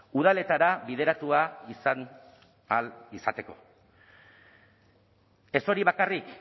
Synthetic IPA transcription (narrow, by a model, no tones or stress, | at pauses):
uð̞ale̞t̪aɾaβiðe̞ɾat̪uaisan | alisat̪e̞ko̞̰ | e̞so̞ɾiβ̞akarik